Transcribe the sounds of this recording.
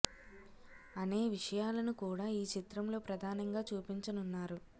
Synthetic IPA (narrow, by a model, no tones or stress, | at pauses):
ɐne̞ːʋiʂɐjaːlɐnukuːɽaːiːt͡ʃit̪ɾɐmlo̞ːpɾɐd̪ʱaːnɐŋɡaːt͡ʃuːpiɲt͡ʃɐnunːaːɾu